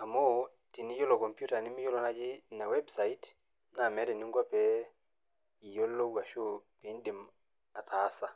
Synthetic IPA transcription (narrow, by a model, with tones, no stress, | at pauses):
a˨mɔ˦ | ti˨ni˦jo˦lɔ˨kɔ˨mpju˦ta˨ni˦mi˦jɔ˦lɔ˨na˦d͡ʒi˦na˨wɛ˦bsa˨i˦t | na˨mɛ˨˦ɾɛ˨ni˦ŋɡwa˦pɛ | i˨jo˦lːo˦ɡwa˨ʃo˦˨pi˨˦n˦di˨m | a˨ta˨˦sa˦